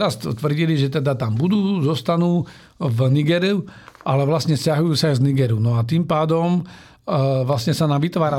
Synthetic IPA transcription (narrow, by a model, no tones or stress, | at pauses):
ɾast̪t̪ʋr̩ɟiliʒɛt̪ɛd̪at̪ambud̪uːzɔst̪anuː | vniɡɛɾiuʔalɛʋlastɲɛscaɦujuːsaajzniɡɛɾunɔat̪impaːd̪ɔm | ʋlasɲɛsanamʋit̪ʋaːɾa